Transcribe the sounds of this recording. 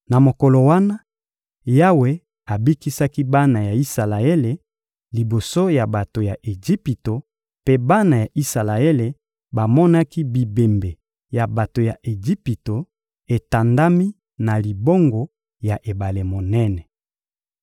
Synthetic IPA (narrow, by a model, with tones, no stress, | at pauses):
na˨mo˨kɔ˨lo˨wa˦na˦ | ja˦we˦ | a˨bi˦ki˦sa˦ki˦ba˦na˨ja˨i˦sa˨la˨e˦le˨ | li˨bo˨so˦ja˨ba˨to˨ja˨ʔe˨d͡ʒi˦pi˨to˨ | pe˦ba˦na˨ja˨ʔi˦sa˨la˨e˦le˨ | ba˨mɔ˦na˦ki˦bi˨be˨mbe˨ | ja˨ba˨to˨ja˨ʔe˨d͡ʒi˦pi˨to˨ | e˨ta˨nda˦mi˦ | na˨li˨bo˦ŋɡo˨ | ja˨ʔe˨ba˨le˨mo˨nɛ˦nɛ˨